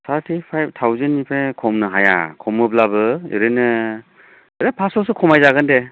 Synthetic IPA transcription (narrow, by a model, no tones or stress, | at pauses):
sʰaɾtʰipʰajb̚tʰawzenːipʰekʰɔmnɯɦaja̰kʰɔmɯb̚labɯḭɾɯnɯ | ɾepʰasɔsɯkʰɔmajzaɡɯnde